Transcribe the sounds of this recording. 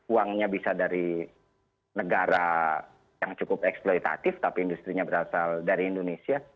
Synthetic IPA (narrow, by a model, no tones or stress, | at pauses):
uaŋɲabisadaɾi | nəɡaɾa | jaŋt͡ʃukʊpɛksploit̪a̰t̪ɪft̪apiːndust̪ɾiɲabəɾasaldaɾiːndonesia